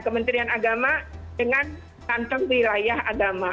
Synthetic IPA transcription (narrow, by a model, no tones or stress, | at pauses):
kəmənt̪ɾianaɡamadəŋan | tant̪əŋwilajahaɡama